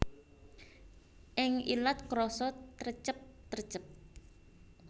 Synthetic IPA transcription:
ʔɪŋḭlat̪̚kɾɔsɔt̪rt͡ʃəp̚t̪ərt͡ʃəp̚

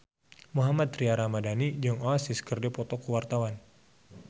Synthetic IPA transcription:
muɦamat̪ɾiaɾamadanid͡ʒɔŋɔasiskərdɛpɔt̪ɔkuwart̪awan

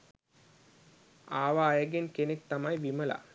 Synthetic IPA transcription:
aːʋaːjəɡenkenek̚t̪amɐjʋiməla̰

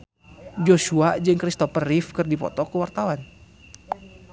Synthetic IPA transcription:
d͡ʒosuad͡ʒɨŋkɾist̪ɔpəɾifkɨrdipɔ̰t̪ɔkuwart̪awan

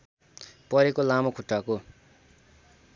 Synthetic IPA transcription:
pʌɾekolamokʰuʈːako

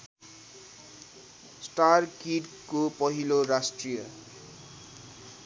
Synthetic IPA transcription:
sʈarkiʈ | kopʌɦiloɾasʈrijʌ

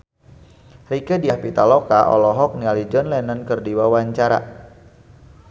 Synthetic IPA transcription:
rikədiahpit̪alɔkaʔɔ̰lɔɦɔk̚nialid͡ʒɔnlɛnənkərdiwawaɲt͡ʃaɾa̰

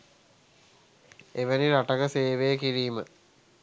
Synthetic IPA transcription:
eʋəniɾaʈəɡəseːʋejəkiɾiːmə

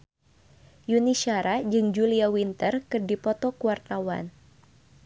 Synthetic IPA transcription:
juniʃaɾad͡ʒɨŋd͡ʒuliawint̪ərkɨrdipɔt̪ɔkuart̪awa̰n

